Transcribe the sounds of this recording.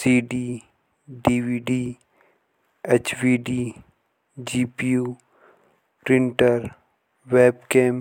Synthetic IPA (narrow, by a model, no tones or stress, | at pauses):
siːɖiː | ɖiːʋiːɖiː | eːt͡ʃʋiːɖiː | d͡ʒiːpijuː | pɾɪ̃ɳʈəɾ | ʋeːbkẽːm